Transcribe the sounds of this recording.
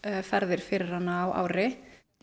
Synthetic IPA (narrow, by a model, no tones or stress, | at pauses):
fɛɾðɪɾ̥fɪːɾɪɾ̥anːaːwʔa̰ːwɾɪ